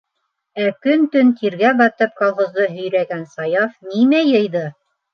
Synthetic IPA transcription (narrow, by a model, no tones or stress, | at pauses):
ækɵnt̪ɵnt̪ʰiɾɡæbɑt̪ɤp̚kolˠχŏzd̪ɤɦɵ̆jɾæɡænsɑjɑfnimæjɤ̆jðɤ